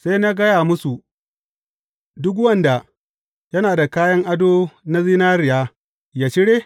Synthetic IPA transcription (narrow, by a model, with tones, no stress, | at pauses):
se˦jna˦ɡɐ˦jaː˨mʊ˦su˨ | dʊ˦k̬wɐ˦˨nda˨ | jɐ˦naː˨da˨kaː˦jɐ˦ŋʔa˦doː˦na˦ziː˦naː˦ɾɪ˨jaː˦ | jaː˨t͡ʃɪ˦ɽeː˦